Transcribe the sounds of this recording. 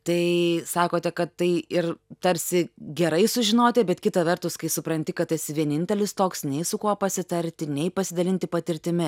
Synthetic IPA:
t̪ɐɪsɑːkoːt̪ʲɛkɐt̪ːɐɪɪrt̪ɐɾʲsʲɪɡʲɛɾɐɪsʊʒʲɪnoːt̪ʲɛbʲɛt̪kʲɪt̪ɐʋʲɛrt̪ʊskɐɪsʊpɾɐnʲt̪ʲɪkɐt̪̚tɐsʲʋʲiɛnʲɪnʲt̪ʲɛlʲɪst̪oːksnʲɛɪsʊkuɔpɐsʲɪt̪ɐɾʲt̪ʲɪnʲɛɪpɐsʲɪd̪ɐlʲɪnʲt̪ʲɪpɐt̪ʲɪɾʲt̪ʲɪmʲɪ

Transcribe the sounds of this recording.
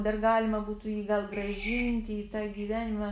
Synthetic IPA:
d̪ɐrɡɑːlʲɪmɐbuːt̪uːjiːɡɐlˠɡrɐʒʲɪnʲt̪ʲɪiːt̪ɑːɡʲiːʋʲæːnʲɪmɐ

